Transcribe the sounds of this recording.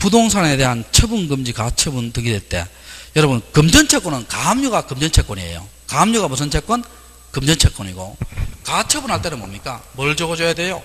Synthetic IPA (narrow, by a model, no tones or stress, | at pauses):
pudoŋs̬ʰaŋe̞de̞ɦant͡ɕʰʌbɯnɡɯmd͡ʑikat͡ɕʰʌbuntɯɡidwe̞ɭt͈e̞̰ | jʌɾʌbɯnkɯmd͡ʑʌnt͡ɕʰek͈wʌnɯnkaɦamɲuɡakɯmd͡ʑʌnt͡ɕʰek͈wʌniḛjo̰ | kaɦmɲuɣamus̬ʰɯnt͡ɕʰek͈wʌn | kɯmd͡ʑʌnt͡ɕʰe̞k͈wʌɲiɡo̰kat͡ɕʰʌbunɦaɭt͈e̞nɯnmomɲik͈amʌɭd͡ʑʌɡʌd͡ʑʌjade̞jo